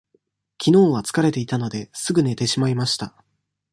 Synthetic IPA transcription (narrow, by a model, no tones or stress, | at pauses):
kʲino̞ːβat͡sɨ̥kaɾe̞t̪e̞it̪ano̞d̪e̞sɨɡɯ̟ne̞t̪e̞ɕimaimaɕi̥t̪a